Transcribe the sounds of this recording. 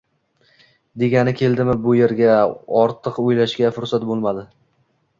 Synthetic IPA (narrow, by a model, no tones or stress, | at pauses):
d̪e̞ɡʲanɪkʲʰe̞ld̪ɪmɪbʊje̞ɾɡʲaɒɾt̪ʰɨqojlaʃɡʲafʊɾsat̪bolˠmad̪ɪ